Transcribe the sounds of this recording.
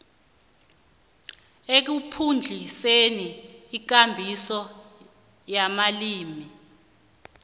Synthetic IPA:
ek̬upʰund͡ɮʱiseniːk̬ambʱisɔ | jamaliːmi

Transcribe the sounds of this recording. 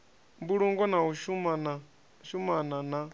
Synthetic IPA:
mbuɺuŋɡɔnauʃumana | ʃumanana

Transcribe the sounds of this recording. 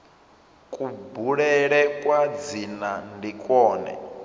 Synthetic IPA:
kʼubuɺɛɺɛkʼwad͡zinandikʼɔːnɛ̰

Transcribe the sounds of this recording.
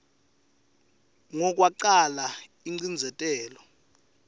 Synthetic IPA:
ŋɔk̬ʼwaǃala | iŋ͡ǀind͡zʱɛtʼɛːlɔ

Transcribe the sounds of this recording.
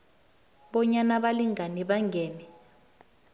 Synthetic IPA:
ɓɔɲanaɓaliŋaniɓaŋɡɛːnɛ

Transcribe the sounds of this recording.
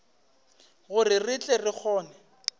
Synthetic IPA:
ɣʊrɪrɪt͡ɬʼɛrɪk͡xʰɔːnɛ

